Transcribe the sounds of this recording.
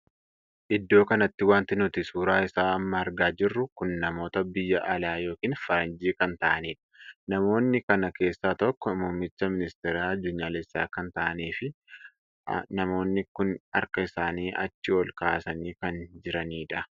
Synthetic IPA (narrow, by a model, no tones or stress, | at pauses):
ʔɪd̪ːo̞ːkɐnɐt̪ːɪwaːnt̪ɪnʊt̪ɪsuːɾaːɪsaːɐmːɐːɾɡaːd͡ʒɪrːʊkʊnːɐmo̞ːt̪ɐbɪjːɐʔɐlaːjo̞ːkiːnfɐɾɐnd͡ʒiːkɐnt̪ɐʔɐniːᶑɐ̥nɐmo̞ːnːɪkɐnɐke̞ːsːaːt̪ɔkːɔmʊmːɪt͡ʃːɐmɪnɪst̪ɛɾaːɐd̪ːʊɲːaːlɛsːaːkɐnt̪ɐʔɐniːfɪ | nɐmo̞ːnːɪkʊnɐ̰ɾkɐɪsaːniːʔɐ̰t͡ʃːɪwɔlkaːsɐniːkɐnd͡ʒɪɾɐniːᶑɐ